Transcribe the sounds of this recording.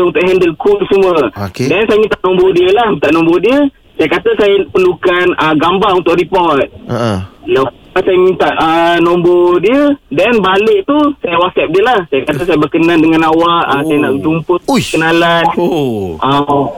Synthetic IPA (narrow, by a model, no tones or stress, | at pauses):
unt̪ʊʔɦɛndəlkulsəmuəokedɛnsajəmĩnt̪aʔnɔmbodiəlahmint̪aʔnɔ̃mbodiə | sajakat̪əsajəpərlukanəɡambaʔunt̪ʊʔripɔrt̪̚əla | asajəmint̪aʔənɔ̃mbodiədɛnbalɪʔ̚t̪usajəwaksɛp̚diəlahsajakat̪asajəbəkənãndəŋãnawaʔəsajənaʔd͡ʒumpəkənalanʔa